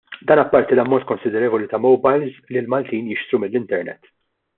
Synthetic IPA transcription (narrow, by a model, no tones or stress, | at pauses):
d̪ɐːnɐpːɐɾt̪ilɐmːɔnt̪̚ːkɔnsɪd̪ɛɾɛːvɔlit̪ɐmɔwbɐjlzlilmɐlt̪iːnjɪʃt̪ɾumɪlːɪnt̪ɛɾnɛ̰t̪ː